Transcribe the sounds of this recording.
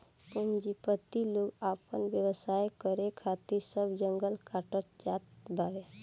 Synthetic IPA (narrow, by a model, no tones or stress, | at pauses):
pund͡ʒipət̪iloɡaːpənbjəwəsajkəɾekʰat̪iɾsəbd͡ʒəŋɡəlkaʈət̪̚d͡ʒaːt̪bawe